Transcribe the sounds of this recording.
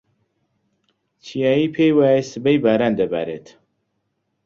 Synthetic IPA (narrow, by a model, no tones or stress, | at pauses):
t͡ʃʰijaːjiːpʰejwaːjesɨbejbaːɾaːnd̪ɐba̰ːɾḛːt̪